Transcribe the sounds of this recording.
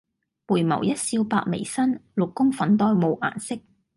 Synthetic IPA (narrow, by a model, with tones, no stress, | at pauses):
puː˨˩jmɐ̰˨˩wjɐ˥t̚siː˧wpa̰ː˧k̚mḛ˨˩jsɐ˥nlʊ˨kːʊ˥ŋfɐ˨˥nt̪ɔː˥jmo˨˧wʔa̰ː˨˩nsɪ˥k̚